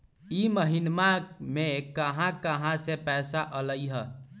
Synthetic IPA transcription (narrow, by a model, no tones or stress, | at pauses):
iməɦinmamekəɦãkəɦãsepɛsaʔələjɦə